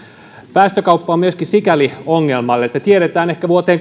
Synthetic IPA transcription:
pæːst̪økɑupːɑːmyøskinsikælioŋːe̞lmɑlːet̪ːæt̪ieɾet̪æːne̞hkæʋuot̪eːŋ

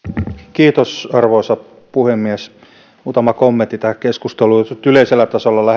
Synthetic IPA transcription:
kiːt̪osɑrʋoːˑsɑ | puhemːiæs | uːt̪ɑmɑkomːent̪ːit̪æhækeskust̪elut̪yleiselːæt̪ɑsolːɑlæh

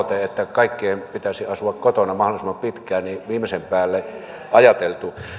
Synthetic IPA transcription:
t̪eet̪ːækɑˑikːeːmpit̪æsiɑsuɑkkot̪onɑmɑholisimːɑmpit̪kˑæːnniʋiːmˑesempæːlːe | ʔɑjɑt̪elt̪u

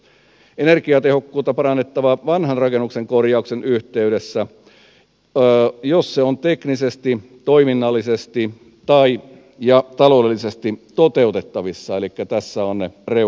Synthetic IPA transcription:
enerkiɑt̪ehokːuːt̪ːɑpɑrɑnːet̪ːɑʋɑʋɑnhɑnrɑkenːukseŋkorjɑuksenyht̪eyɾesːæ | josːeont̪eknisest̪it̪oiminːɑlːisest̪i | t̪ɑi | jɑt̪ɑloːdelːisest̪it̪ot̪e̞ut̪et̪ːɑʋisːɑelikːæt̪æsːæonnere

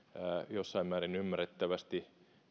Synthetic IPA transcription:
æjosːɑimmæːɾinymːæret̪ːæʋæst̪i

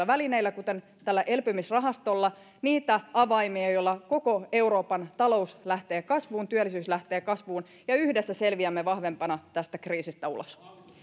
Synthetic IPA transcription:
ɑʋæline̞ilːækut̪e̞n | t̪ælːæʔe̞lpymisrɑɦɑst̪olːɑ | niːt̪æɑʋɑjmiɑjolːɑko̞ko̞e̞uɾoːpɑnt̪ɑlo̞uslæht̪e̞ːkɑsʋuːnt̪yælːisyːslæht̪e̞ːkɑsʋuːn | jɑyhdesːæse̞lʋiæmːeʋɑhʋe̞mpɑnɑt̪æst̪ækriːsist̪æṵlo̰s

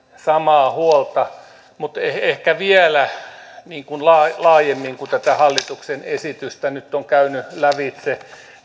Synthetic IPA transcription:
sɑmɑːhuolt̪ɑ | mut̪eehkæʋielæniːŋkunlɑːlɑːjemːiŋkut̪æt̪æhɑlːit̪uksenesit̪yst̪ænyt̪ːoŋkæynylæʋit̪se

